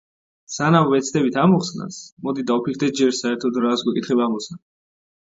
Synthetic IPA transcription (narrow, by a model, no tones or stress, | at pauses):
sanamvɛt̪sʰd̪ɛbit̪ʰamɔχsna̰smɔd̪id̪aupʰikʰɾd̪ɛt̪̚d͡ʒɛɾsaɛɾt̪ʰɔd̪ɾasɡwɛkʼit̪χɛbamɔsa